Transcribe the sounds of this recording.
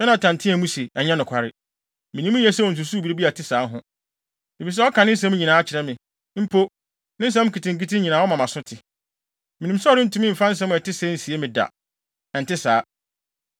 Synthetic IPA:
sɛ˦nã˨tʰã˨n˨tʰɪ̃˦ɛ˨mũ˦se˨ɛ˨ɲɛ̃˦nʊ̃˨kʷʰa˨ɾɪ˦˨ | mɪ̃˨nĩ˦mũ˦ɛ˦sɛ˦wɔ˨n̩˨s̬u˨su˦bi˨ɾe˦bi˦a˨tʰɪ˦saː˨˦ɦʊ̃˦ | e˨fi˨s̬ɛ˦ɔ˦kʰã˨nɪ̃˦sɛ̃˦mũ˦ɲi˨nãː˨˦t͡ɕʰɪ˨ɾɛ˦mɪ̃˨ | m̩˦pʰo˦ | nɪ̃˦s̬ɛ̃˦m̃˦kʰi˨tɪ̃˨ŋ̩˦k̬i˦tʰɪ̃˦ɲĩ˨nãː˨˦wɔ˦mã˨mã˨sʊ˦tʰɪ˨ | mɪ̃˨nĩ˨m˦sɔ˦ɾɪ˦n̩˦tʰũ˦mɪ̃˦m̩˨fã˦n̩˦s̬ɛ̃˦mʊ̃˨ɛ˨tɪ˦sɛ˦n̩˨si˨e˦mɪ̃˨da̰˨ | nã˨n̩˨tɪ˦saː˨˦

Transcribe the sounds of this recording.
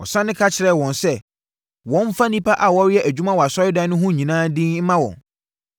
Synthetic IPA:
ɔ̰˨sã˦nɪ̃˦kʰa˦t͡ɕʰɪ˨ɾɛ˨wɔ̃˨nsɛ˦ | wɔ̃˨˦m˦fa˦nĩ˦pʰa˦ʔa˨wɔ˦ɾɪ˦jɛ˦ʔæ˨d͡ʑᶣu˦mã˦wɔ˨a˨sɔ˦ɪ˦dã˦nʊ̃˦ɦʊ̃˦˨ɲĩ˨nãː˦dĩ˦nm̩˦mã˦wɔ̰̃˨n

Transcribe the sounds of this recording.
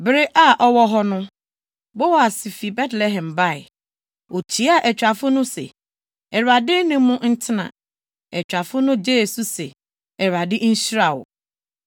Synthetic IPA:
bɪ˦ɾɪ˦ʔa˨ʔɔ˦wɔ˦ɦɔ˦nʊ̃˦ | bɔ˦wɔ˨a˨sɪ˨fi˨bɛ˦tlɛ˦ɦɛ̃˨mba˦˨ɪ̰˨ | o˨t͡ɕʰi˨˦a˨ʔɛ˨t͡ɕᶣa˨fʊ˦nʊ̃˦sɛ̰˨ | ɛ˨ɾa˨dɪ˦nɪ̃˦mːũ˦n̩˦tʰɪ˦nã̰˨ | ɛ˨t͡ɕᶣa˨fʊ˦nʊ̃˦d͡ʑeː˦˨su˦sɛ˨ | ɛ˨ɾa˨dɪ˦n̩˦ɕi˦ɾa˨wʊ̰˨

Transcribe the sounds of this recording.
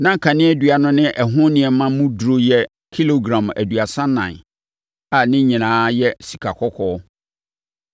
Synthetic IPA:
nã˦ŋ̩˨kʰa˨nɪ̃˦ɛ˦dɥa˨nʊ̃˦nɪ̃˦ʔɛ˨ɦʊ̃˦nɪ̃˨ɛ˨mã˦mũ˦dɾo˦jɛ˦ | kʰi˦lo˨ɡɾã˨mæ̰˨du˨a˨sã˦nã̰˨n | a˨nɪ̃˦ɲĩ˨nãː˨˦jɛ˦si˨kʰa˨kʰɔ˦kʰɔ˦

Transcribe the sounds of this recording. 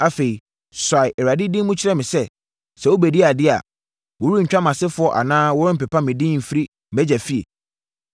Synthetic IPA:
a˨fe˨i˨ | sa˨ɪ˨ʔɛ˨ɾa˨dɪ˦dĩ˦mũ˦t͡ɕʰɪ˦ɾɛ˦˨mɪ̃˨sɛ˦ | sɛ˨wo˦bæ˨di˦a˨dɪ˦a̰˨ | wo˨wu˦ɲ̩˨t͡ɕᶣa˦mã˨sɪ˦fʊ˨˦ɔ˦˨ʔa̰˨nãː˦wɔ˦ɾɪ˦m̩˨pɛ˨pʰa˦mɪ̃˨dĩ˦m̩˨fi˦ɾi˦ | m̩˨bɛ˦d͡ʑæ˨fi˦ḛ˨

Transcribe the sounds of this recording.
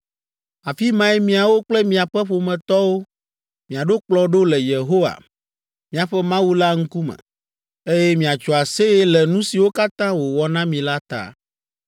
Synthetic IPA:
a˨fi˦mã˦ɛ˦mĩ˨a˨wo˦k͡plɛ˦mĩ˨a˨ɸɛ˦ɸo˨mɛ̃˨t̪ɔ˦wo˦ | mĩ˨a˨ɖo˦k͡plɔ˦ɖo˦lɛ˨je˨ɦo˦wa̰˨ | mĩ˨a˨ɸɛ˦mã˦wu˦la˦ŋ̩˦ku˦mɛ̰̃˨ | e˦jɛ˦mĩ˨a˨t͡ʃɔ˨a˨se˦ɛ˦lɛ˨nũ˦si˨wo˦ka˦t̪ã˦wo˨wɔ˨nã˦mĩ˨la˦t̪a̰˨

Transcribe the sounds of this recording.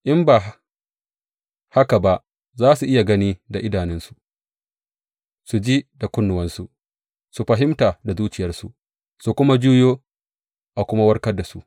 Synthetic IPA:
ʔɪ˦mbaː˨ | ha˦ka˨ba˦ʔ | zaː˦su˨ʔɪ˦ja˨ɡɐ˦niː˦da˨ʔɪ˦daː˨nɪ˦nsu̥˨ | su˨d͡ʒiː˦da˨kʷʊ˦nːʊ˨wɐ˦nsu˨ | su˨ɸɐ˨ɦɪ˦mtaː˨da˨zuː˦t͡ʃɪ˨jɐ˦rsu˨ʔ | su˨kʷʊ˦ma˦d͡ʒuː˦joː˦ | ʔa˨kʷʊ˦ma˦wɐ˦rkɐ˦rda˨sṵ˦ʔ

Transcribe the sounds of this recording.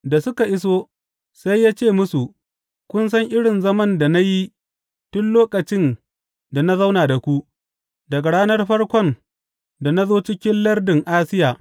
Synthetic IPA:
da˨sʊ˦ka˨ʔɪ˦s̬oː˦ | sa˦jːaː˦t͡ʃeː˦˨mʊ˦su˨ʔ | kʷʊ˦ns̬ɐ˦ŋʔɪ˦ɽɪ˨nzɐ˦mɐ˦nda˨na˦ji˦ | tʊ˦nloː˦kʼɐ˨t͡ʃɪ˦n | da˨na˦za˦wnaː˨da˨kʷu˦ʔ | dɐ˨ɡa˨ɽaː˦nɐ˦rɸɐ˦rkʷɔ˦n | da˨na˦zoː˦t͡ʃɪ˦kʲɪ˦nlɐ˦rdɪ˨ŋʔaː˦sɪ˦jaː˨

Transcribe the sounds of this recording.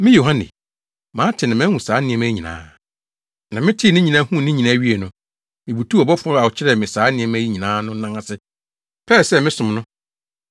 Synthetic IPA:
mɪ̃˦jo˨ɦã˦nɪ̰˨ | mãː˨˦tʰɪ˨nɪ̃˨mɛ̃˦hũ˨saː˨˦nɪ̃˨ɛ̃˦mæ˦ɲĩ˨nã̰ː˨˦ | nã˨mɪ̃˦tʰi˦˨nɪ̃˦ɲĩ˨nã˦hũ˦˨nɪ̃˦ɲĩ˨nã˦ɥi˦e˨nʊ̃˨ | mɪ̃˨bu˨tʰu˦ɔ˨bɔ˦fʊ˦a˨ʊ˨t͡ɕʰɪ˦ɾɛ˨mɪ̃˨saː˦nɪ̃˨ɛ̃˨˦mæ˦ji˦ɲĩ˨nãː˨˦nʊ̃˦nã˦ŋã˦sɪ˦ | pʰɛ˦˨sɛ˦˨mɪ̃˦sʊ̃˨mnʊ̃˦

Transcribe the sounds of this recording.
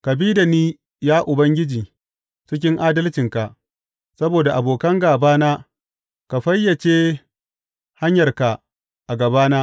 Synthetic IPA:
kɐ˨biː˦da˨niː˦ | jaː˦ʔʊ˨bɐ˦ŋɡʲɪ˦d͡ʒiː˨ | t͡ʃɪ˦k̬ʲɪ˦ŋʔaː˦dɐ˦lt͡ʃɪ˨ŋka˨ʔ | sɐ˦boː˨da˨ʔa˨boː˨kɐ˦ŋɡaː˨baː˦naː˦ | ka˨ɸɐ˦jːɐ˨t͡ʃeː˦ | ha˦ɲjɐ˨rka˨ | ʔa˨ɡɐ˨baː˦naː˦

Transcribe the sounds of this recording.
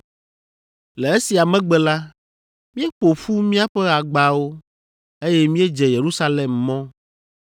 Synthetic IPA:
lɛ˨e˦si˨a˨mɛ̃˦ɡ͡bɛ˨la˦ | mĩ˦e˦k͡po˨ɸu˦mĩ˦a˦ɸɛ˦a˨ɡ͡ba˨wo˦ | e˦jɛ˦mĩ˦e˦d͡ʒɛ˨je˨ɾu˦sa˦lɛ˨mːɔ̃˦

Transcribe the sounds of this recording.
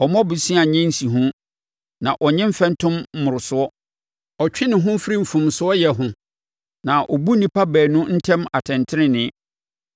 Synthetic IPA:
ɔ˨mɔ̃˦bʊ˨sĩ˦a˨ɲɪ̃˦n̩˦si˨ɦʊ̃˦ | nã˨ʔɔ˨ɲɪ̃˦m̩˦fɛ̃˦n˦tʰʊ̃˦m̩˦mʊ̃˨ɾʊ˨sʊ˦ɔ˦ | ɔ˨t͡ɕᶣɪ˦nɪ̃˨ɦʊ̃˦fɪ˦ɾi˦m̩˨fũ˨msʊ˦ɔ˦jɛ˨ɦʊ̃˦ | nã˨ʔɔ˨bu˦nĩ˨pʰa˦bæː˨nʊ̃˦n̩˦tʰɛ̃˦ma˨tʰɛ̃˨ntʰɪ˦nɪ̃˦nɪ̃˦

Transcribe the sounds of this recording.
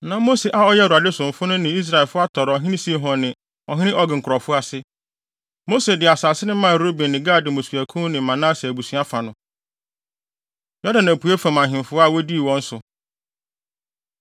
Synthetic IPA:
nã˨mo˦se˨ʔa˦ɔ˦jɛ˦˨u˨a˨dɪ˦sʊ̃˨m̩˨fʊ˦nʊ̃˦nɪ̃˨i˦s̬ɾa˨ɛ˨lfʊ˦a˦tʰɔ˨ɾɔ˨ɦɪ̃˦nɪ̃˦si˦e˦ɦɔ̃˨nɪ̃˨ | ɔ˨ɦɪ̃˦nɪ̃˦ʔɔ˦ɡɪ̃˨ŋ̩˨kʰʊ˨ɾɔ˨fʊ˦a˨sɪ˦ | mo˦se˨dɪ˨a˨saː˨sɪ˦nɪ̃˦mã˦˨ɾo˦bĩ˨nnɪ̃˨ɡaː˦˨dɪ̃˨mõ˨sɥæ˨kʰũ˦nɪ̃˨˦mã˨nã˦sɛ˨æ˨bu˨sɥa˦fa˨nʊ̃˨ | jɔ˦dã˨nːæ̃˨pu˨˦e˦fã˨mã˨ɦɪ̃˨m˨fʊ˦a˦˨wɔ˦di˦˨wɔ̃˦n̩˦sʊ˨

